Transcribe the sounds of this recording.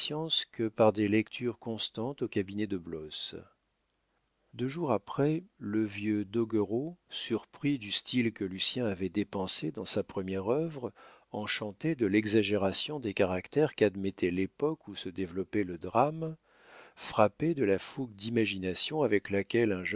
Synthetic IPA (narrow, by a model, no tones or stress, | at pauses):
jɑ̃skəpaʁd̪elɛkt̪ʰyʁkɔ̃st̪ɑ̃t̪okabinɛd̪əblɔs | d̪øʒuʁapχɛləvjød̪ɔɡəʁosyʁpχid̪yst̪ilkəlysjɛ̃avɛd̪epɑ̃sed̪ɑ̃sapχəmjɛʁœvʁɑ̃ʃɑ̃t̪ed̪əlɛɡzaʒeʁasjɔ̃d̪ekaʁakt̪ɛʁkad̪mɛt̪ʰɛlepɔkusəd̪evlɔpɛləd̪ʁam | fχaped̪əlafuɡd̪imaʒinasjɔ̃avɛklakʲɛlɛ̃ʒ